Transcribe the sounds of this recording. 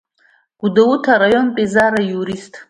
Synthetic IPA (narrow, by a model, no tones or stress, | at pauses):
ɡ̥udawutʰaɾajo̞npʼezaɾajuɾistʼ